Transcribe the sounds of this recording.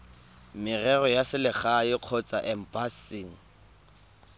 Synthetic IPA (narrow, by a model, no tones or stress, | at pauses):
mɪrɛrɔjasɪlɪχaɪq͡χʰɔt͡sʼaʔɛm̩pasiŋ̩